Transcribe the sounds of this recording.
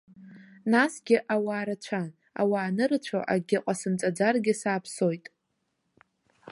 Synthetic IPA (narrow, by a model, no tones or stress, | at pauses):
nasɡʲɪʔawaːɾat͡ɕʷʰan | a̰waːnɨɾɨt͡ɕʷʰaʔaɡʲɪqʼasɨmt͡sʼad͡zarɡʲɪsaːpʰso̞jtʼ